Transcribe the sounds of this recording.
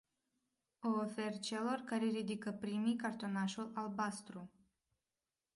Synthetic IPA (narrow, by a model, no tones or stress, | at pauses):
oːfe̞rt͡ʃe̞lo̞rkaɾeɾid̪ikəpɾimijkart̪o̞naʃulalbast̪ɾu